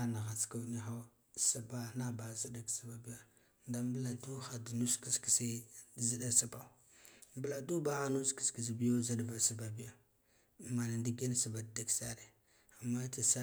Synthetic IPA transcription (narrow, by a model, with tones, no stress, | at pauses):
a˦na˨ɣa˨t͡ska˦ni˦xa˦ | sa˨ba˦na˦ba˨zi˦da˦ksa˦ba˨bi˦ja˦ | nda˦mbə˦la˨du˦xa˨du˨nu˦ski˦ski˨si˦zi˦da˦sa˦ba˨ | mbə˦la˨du˦ba˦ɣa˦nu˦ski̥˨ski˨zi˨bi˦jo˦za˦dba˨sa˦˨ba˨bi˦ja˨ | ma˨na˨ndi˦ɡe˦n˦sa˨ba˨dda˦ksa˦ɾe˨ | a˨mːa˦ti˨sa˦